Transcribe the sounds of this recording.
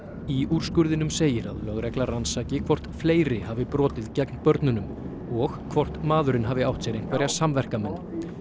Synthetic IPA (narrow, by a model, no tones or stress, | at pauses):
iur̥skʏɾðɪnʏmseːjɪɾa̰ðlœɣɾɛklaransaːcɪkʰvɔr̥t̪fleːjɾɪhavɪpɾɔːt̪ɪðcɛknpœɾt̪nʏnʏm | ɔɣkʰvɔr̥t̪maːðʏɾɪnɦaːvɪawht̪sɛɾejn̥kvɛɾjasamvɛr̥kamɛnː